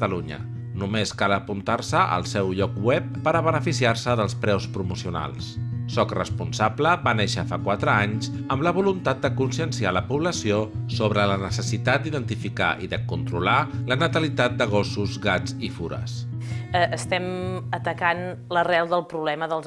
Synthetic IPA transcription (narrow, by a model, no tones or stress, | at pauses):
t̪əluɲə̰ | numeskaləpunt̪arsəʔə̰lˠsɛwʎɔkwɛpːəɾəβənəfisiarsəðəlˠspɾɛwspɾumusiuna̰lˠssɔkrə̰spunsabləβaneʃəfakwat̪ɾəaɲzəmləβulunt̪at̪̚d̪əkunsiənsialəpuβləsiosoβɾələnəsəsit̪at̪̚d̪iðənt̪ifika̰ʔḭðəkunt̪ɾulalənət̪əlit̪at̪̚d̪əɣ̞ɔsuzɣad͡zifuɾə̰səəst̪ɛmət̪əkan | lərɛlˠðəlˠpɾuβlɛməðəlˠz